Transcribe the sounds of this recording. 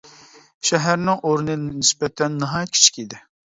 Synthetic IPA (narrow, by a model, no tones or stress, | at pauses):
ʃɛɦæɾnɪŋʔoɾunɨnɪsbɛt̪ʰɛnːɨɦɑːjɛt̪̚ʲkʰʲi̥t͡ʃʰi̥kʲid̪ɪ